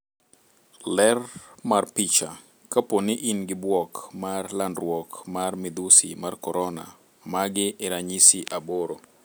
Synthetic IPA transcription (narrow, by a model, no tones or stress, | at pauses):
lɛrmarpit͡ʃa | kaponiʔinɡɪbwɔkmarlandrwɔkmarmid̪usḭmarkɔɾɔna̰ | maɡɪʔɛɾaɲisiʔaboɾo